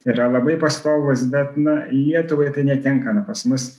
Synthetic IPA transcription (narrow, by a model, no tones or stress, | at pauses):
iːɾɐlˠɐbɐɪpɐst̪oːɡˠʊsbʲɛt̪nɐlʲiɛt̪ʊʋɐɪt̪ɐɪnʲɛt̪ʲɛŋkɐnɐpɐsmʊs